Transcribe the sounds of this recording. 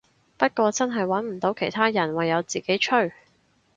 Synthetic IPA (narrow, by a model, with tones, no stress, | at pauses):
pɐ˥t̚kʷɔː˧t͡sɐ˥nɦɐ˨jwɐ˨˥nm̩˨˩t̪o˨˧˥wkʰe˨˩jt̪ʰaː˥jɐ˨˩nwɐ˨˩jːɐ˨˧wt͡siː˨ke˨˥jt͡ʃʰɵ˥ɥ